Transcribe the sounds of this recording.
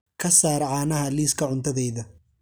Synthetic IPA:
kʰɐsaːɾʕaːnɐɦɐliːskʰɐʕʊnt̪ʰɐðɛjðɐ

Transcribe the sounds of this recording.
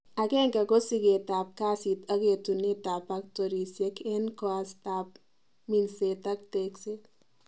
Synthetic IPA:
aɡeŋkaɡosiɡet̪ap̚kaːsit̪ɐɡet̪unet̪apak̚t̪oɾisjekʰenkɔast̪ap̚ | minset̪ɐk̚t̪ekset

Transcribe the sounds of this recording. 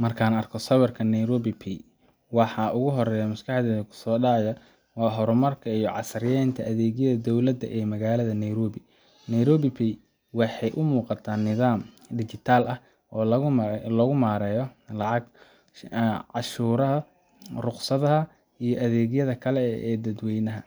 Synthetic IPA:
mɐrkʰaːnɐrkʰɔsɐβɐrkʰɐnɛjɾɔːβipʰi | wɑħɑːʔʊɣʊɦɔrɛːjɐmʊskʰɑħd̪ɛkʰʊ̥sɔːɖɑjɐ | wɑːɦɔɾʊmɐrkʰɐijɔʕɑ̰sɾjɛjnt̪ʰɐʔɐðɛːɣjɐðɐd̪ɔwlɐd̪ɐʔɛːmɐɣaːlɐðɐnɛjɾɔːβɪ | nɛjɾɔːβɪpʰi | wɑħɑjʔʊmuːqɑt̪ʰaːnːɪðaːm | d̪ɪt͡ʃɪt̪ʰaːlɐh | ɔːlɔɣʊmaːɾɛːjɔlɑʕɑɡ | ʕɑʃuːɾɐɦɐ | rʊqsɐðɐɦɐ | ijɔʔɐðɛːɣjɐðɐkʰɐlɛɛ̰ːd̪ɐd̪wɛjnɐɦɐ̰

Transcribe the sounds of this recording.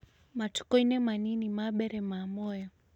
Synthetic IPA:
matu̥kɔinɛmaninimaɓɛɾɛmamɔjɔ

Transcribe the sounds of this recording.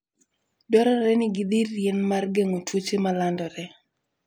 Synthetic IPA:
dɔɾɔɾɛnɪɡɪd̪iːjenmarɡeŋotwot͡ʃemalandɔɾɛ

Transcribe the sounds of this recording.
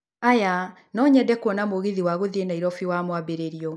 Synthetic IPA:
aja | nɔɲɛdɛkwɔnamoɣeðiwaɣoðienaiɾɔfiwamwabeɾeɾiɔ

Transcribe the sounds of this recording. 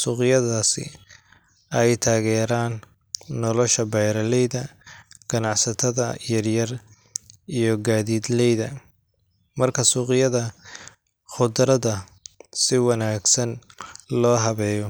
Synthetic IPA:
suːqɪjɐðaːsɪ̰ | ɛjt̪ʰaːɣɛːɾaːnː | ɔlɔʃɐbɛjɾɐlɛjðɐɡ̥ɐnɑʕsɐt̪ʰɐðɐjɐrjɐr | ijɔɡaːðiːd̪lɛjðɐ | mɐrkʰɐsuːqɪjɐðɐ | χʊd̪ɾɐðɐ | sɪwɑnaːɡsɐnlɔːɦɐβɛːjɔ

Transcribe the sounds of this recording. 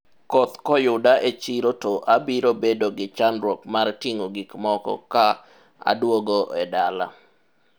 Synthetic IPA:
kɔt̪kɔjʊdaʔet͡ʃiɾotɔʔabiɾobedoɡɪt͡ʃanɾwɔkmartiŋoɡikmɔkɔ̰ka | a̰dwoɡoʔɛdala̰

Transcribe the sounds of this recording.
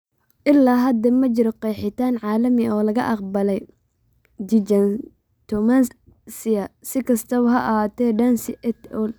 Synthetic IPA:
ʔɪlːaːɦɐd̪ɐmɐt͡ʃɪɾɔqɛːħɪt̪ʰaːnʕɑːlɐmɪɔːlɐɣɐ̰ʔɑqbɐlɛj | d̪ɪd͡ʒɐn | t̪ʰɔmans | sɪɐsɪkʰɐst̪ʰɐʊɦɐʔɐhaːt̪ʰɛːɖɐnsɪʔɛt̪ɔl

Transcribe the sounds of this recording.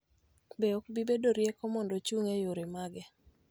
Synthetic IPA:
beɔkbibedoɾjekomɔndɔt͡ʃuŋejoɾemaɡɛ

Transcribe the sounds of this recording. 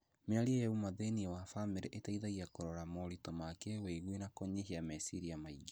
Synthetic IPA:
meaɾiejɛumaðeniewafameɾeʔetaiðaɣiakoɾɔɾamɔɾitɔmakeeweɣwenakɔɲeɦiamɛsiɾiamaiɡe

